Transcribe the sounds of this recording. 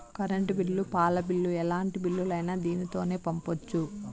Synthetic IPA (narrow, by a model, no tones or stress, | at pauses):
kɐɾɐɳʈibiɭːupaːlɐbilːuɛlaːɳʈibiɭːulɐjnaːd̪iːnit̪o̞ːne̞ːpɐmpot͡ʃːu